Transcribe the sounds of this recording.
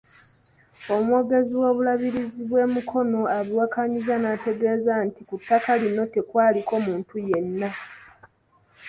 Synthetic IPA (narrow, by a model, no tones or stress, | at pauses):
o̞muwo̞ːɡe̞ziwo̞ːβulaβiɾiziβwe̞ːmukʰo̞no̞aβiwakaɲizanaːte̞ɡe̞ːzantikutːakalinːo̞te̞kwaːliko̞muːntuje̞nːa